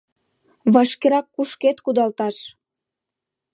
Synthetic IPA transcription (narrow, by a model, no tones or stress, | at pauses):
βɑʃkeɾɑkːuʃket̪kud̪ɑlt̪ɑʃ